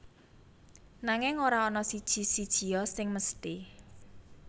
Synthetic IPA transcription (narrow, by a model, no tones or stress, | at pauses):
naŋɪŋoɾaɔnɔsid̥ʒ̥i̤sid̥ʒ̥i̤jɔsɪŋməst̪i